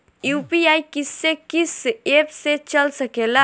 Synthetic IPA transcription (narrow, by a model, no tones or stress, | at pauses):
jupiajkisːekisepset͡ʃəlsəkela